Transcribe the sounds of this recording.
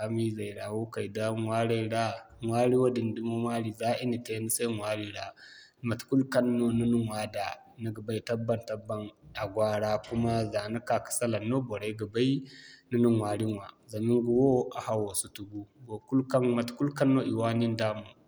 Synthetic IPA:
a˦mi˦za˨ɾa˨wo˦ka˨jda˦wa˦ɽa˦ɽa˦ | ŋwa˦ɾi˦wa˦di˨n˨di˦mo˦maː˦ɾi˨za˦ʔi˦ni˨ta˦nu˦sa˦jŋwa˦ɾi˦ɾa˦ | ma˨tku˦lkɐ˦nːo˦nu˦nu˦ŋwa˦da˨ | na˦ɡa˨ba˦i˦tɐ˦bːa˨ntɐ˦bːa˨na˨ɡʷaː˦ɽa˦kʷu˦ma˦za˨na˦ka˨kḁ˨sa˦la˨nːo˦bo˨ɾa˦ɡa˨ba˦i˦nu˦nu˦ŋwaː˨ɽi˦ŋwa˨za˨mi˦ŋɡu˨wo˦ʔa˨ha˨wa˨su˦tu˨ɡu˦ɡo˨ku˦lka˦ŋma˨tku˦lka˦nːo˦ʔi˨waː˦ni˦ndaː˦mu˨

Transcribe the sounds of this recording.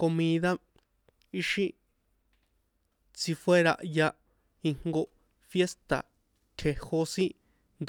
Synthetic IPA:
ko˧mĩː˧ða˦ | i˦ʃĩ˦ | t͡si˧fwe˦ɾa̰˧ʔja˧ | i˧ŋ̥ŋɡo˧ | fje˦st̪a̰˨ | t̪ʲʰe˧ho˧sĩ˦ | nd̪

